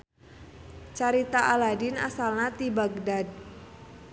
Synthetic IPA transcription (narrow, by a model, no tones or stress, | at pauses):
t͡ʃaɾit̪aʔaladina̰salnat̪ibaɡdad̚